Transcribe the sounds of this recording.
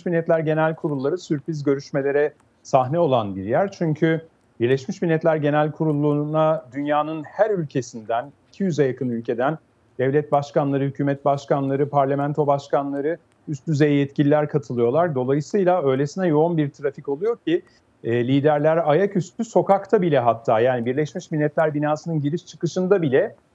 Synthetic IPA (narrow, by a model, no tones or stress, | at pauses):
ʃiʃmilʲːɛt̪lʲæɾɟe̞nælʲkʰuɾulˠːaɾɯsyɾpɾizɟø̞ɾyʃme̞lʲe̞ɾɛ | saɦnɛo̞lˠanbiɾjæɾt͡ʃʰyɲcʰy | biɾlʲɛʃmiʃmilʲːɛt̪lʲæɾɟe̞nælʲkʰuɾulˠːunad̪ynjaːnɯnhæɾylʲcʰe̞sind̪ænicʰijyzɛjakʰɯnylʲcʰe̞d̪æn | d̪̥ɛvlʲɛt̪̚baʃkanlˠaɾɯhycʰyːmɛt̪̚baʃkanlˠaɾɯpʰaɾlʲemænt̪ʰo̞baʃkanlˠaɾɯ | yst̪̚d̪yzejɛjɛt̪cʰilʲilʲæɾkʰat̪ʰɯlˠɯjo̞lˠaɾd̪o̞lˠajɯsɯjlˠaø̞jlʲe̞sinɛjo̞unbiɾt̪ʰɾafico̞lˠujo̞ɾcʰiː | lʲiːd̪æɾlʲæɾajacyst̪yso̞kakt̪ʰabilʲɛɦat̪ʰːaːjaːnibiɾlʲɛʃmiʃmilʲːɛt̪lʲæɾbinaːsɯnɯnɟiɾiʃt͡ʃʰɯkɯʃɯnd̪abilʲɛ